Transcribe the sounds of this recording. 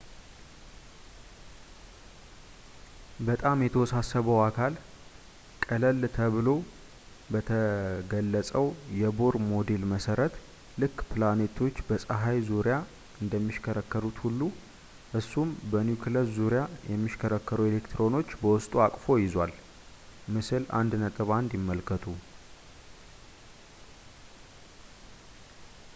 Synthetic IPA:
bət̪ʼamjɛt̪ʰəwɔsasːəβəwakʰal | kʼələlt̪ʰəβɨlo̞ | bət̪ʰəɡəlːəsʼəwjɛbo̞ɾmo̞d̪elməsəɾət̪ | lɨkːpʰɨlane̞t̪ʰo̞t͡ʃːbəsʼəɦajzuɾja | ɨnd̪əmːiʃkʰəɾəkːəɾut̪hulːu | ʔɨsːumbənjukʰləszuɾjajɛmːiʃkʰəɾəkːəɾue̞lekt̪ʰɾo̞no̞t͡ʃːbəwʊst̪ʼuakʼfo̞jɪzwal | mɨsɨla̰nd̪nət̪ʼɨβand̪jɪmːəlkʰːət̪ʰu

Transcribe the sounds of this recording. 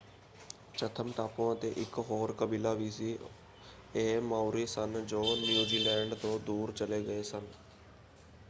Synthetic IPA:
t͡ɕɐt̪ʰəmt̪aːpõə̃t̪eʔɪkɦoːɾkəbiːlaʋiːsi | eɦmaːuɾisənd͡ʑoːnjuːziːlɛ̃ːɳɖt̪oːd̪uːɾt͡ɕəleɡɐesən

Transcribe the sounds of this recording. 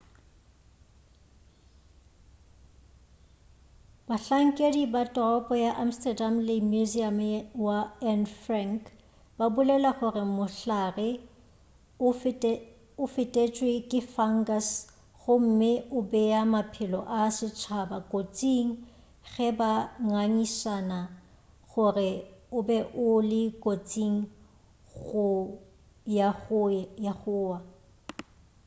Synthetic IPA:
baɬaŋ̩kʼedibatʼɔɔpʼɔjaʔam̩stʼɛdamlɪmuziamwaɛnfraŋk | babʊlɛlaχʊrɪmʊɬarɪ | ʊfɪtʼet͡ʃʼwekʼɪfaŋ̩ɡas | ɣʊm̩mɪʔʊbɛjamapʰɪlɔʔasɪt͡ʃʰabakʼot͡sʼiŋ̩ | ɣɛbaŋaŋisana | ɣʊrɪʊbɛʔʊlɪkʼot͡sʼiŋ̩ | ɣʊ | ja | jaχʊːwa

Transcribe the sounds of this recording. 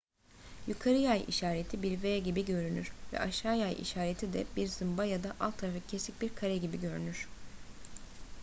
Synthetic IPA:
jukʰaɾɯjajḭʃaːɾet̪ʰibiɾveːɟibiɟø̞ɾynyɾ̥vɛ̰ʔaʃaːjajʔḭʃaːɾet̪ʰid̪ɛ̰biɾzɯmbajad̪aʔalˠt̪ʰːaɾafacʰesic̚biɾkʰaɾɛɟibiɟø̞ɾy̰nyɾ̥

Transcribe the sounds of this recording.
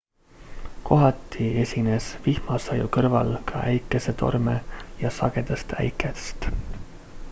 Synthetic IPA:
ko̞ɦɑt̪ːˑie̞sʲine̞svihmɑsɑjukɤrvɑ̰lkʰɑʔæjkːˑe̞se̞t̪ʰo̞̰rme̞̰jɑsɑɡ̥e̞d̪̥est̪æ̰jkːˑe̥st̪

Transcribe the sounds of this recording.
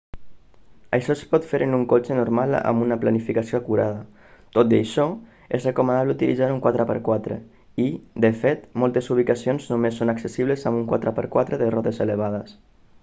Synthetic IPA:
ə̰jʃɔspɔt̪feɾʔənuŋkot͡ʃənuɾmala̰munəplanifikasioakuɾaðə | t̪ot̪̚d̪əjʃɔ | ezrekumənaβləut̪ilizaɾuŋkwat̪ɾəpə̰ɾkwat̪ɾḛ | id̪əfet̪molˠt̪ezuβ̞ikasionznumesːonaksesiβ̞ləzamuŋkwa̰t̪ɾəpəɾkwat̪ɾəðərɔt̪eseləβ̞aðəs

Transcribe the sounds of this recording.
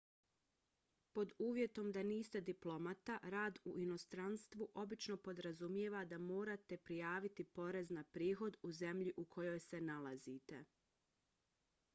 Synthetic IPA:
po̞d̪uːʋje̞t̪o̞md̪aniːst̪e̞d̪iplˠo̞mat̪aɾaːd̪uʔino̞st̪ɾanst̪ʋuʔo̞bit͡ʃno̞po̞d̪ɾazumjeʋad̪amo̞ːɾat̪e̞pɾijaːʋit̪ipo̞ɾe̞znapɾiːxo̞d̪uze̞mʎiʔukʰo̞jo̞jse̞nalˠazit̪e̞̰

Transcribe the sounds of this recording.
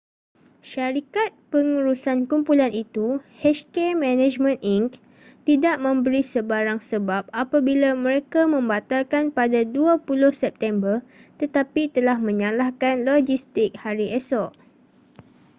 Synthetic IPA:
ʃaɾikat̪̚pəŋuɾusankumpulanit̪uhɛʃkɛmɛ̃nɛ̃d͡ʒmə̃niŋk | t̪idaʔmə̃mbəɾisəbaɾaŋsəbap̚apabilamə̃ɾekamə̃mbat̪alkanpadaduapulʊhsɛp̚t̪ɛmbərt̪ət̪apit̪əlahmə̃ɲãlahkanlɔd͡ʒist̪ɪk̚haɾiɛsɔʔ

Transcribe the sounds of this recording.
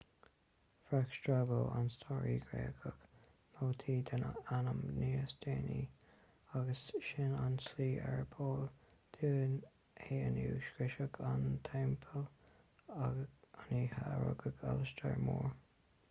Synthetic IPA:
fɹakʃtɹaɡoːa̰nst̪ʰɔːɹiːɡɹḛːkʰək | noːt̪ʰiːd̪ənanəmniːsd̪eːnḭ | aɡəsʃɪnansliːʔɛɹpʰoːlt̪ʰiːn | heːənuːʃkɹɪʃəkʰant̪ʰɛmpʰəl | aaniːhaɹə̰ɡəɡa̰ləstəɹmoːɹ

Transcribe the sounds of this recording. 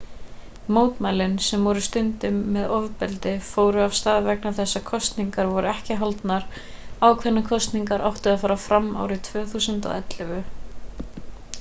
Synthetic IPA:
moːwt̪majlɪnsɛmvɔɾʏst̪ʏnt̪ʏmːɛðɔvpɛlt̪ɪfoːwɾʏav̥st̪aːðvɛknaθɛsːakʰɔst̪niŋkaɾvɔɾʏɛhcɪɦalt̪naɾ̥ | aːwkʰvɛnːakʰɔst̪niŋkaɾʔawht̪ʏafaːɾafɾamːa̰ːwɾɪt̪ʰv̥œːθuːsʏnt̪a̰ðɛt̪lɪvʏ

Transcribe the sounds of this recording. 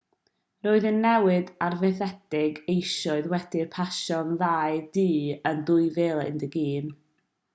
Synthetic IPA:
roːɨðənːɛwɨdarvɛθɛd̥ɪɡejʃɔɨðwɛd̥ɪrpʰaʃɔnðajdiːəndʊɨvɛːlˠɪ̰ndəɡiːn

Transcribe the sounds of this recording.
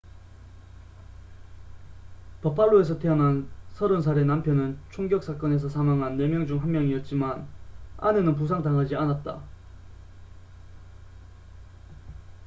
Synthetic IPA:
pʌp͈aɭːoe̞sʰʌtʰeʌnansʰʌɾɯns̬ʰaɾenampʰjʌnɯnt͡ɕʰoŋɡjʌk̚s͈ʰak͈ʌne̞sʰʌsʰamaŋɦanːe̞mjʌŋd͡ʑuŋɦanmjʌŋiʌt̚t͡ɕ͈imana̰ne̞nɯnp̬us̬ʰaŋdaŋɦad͡ʑianat̚t͈a

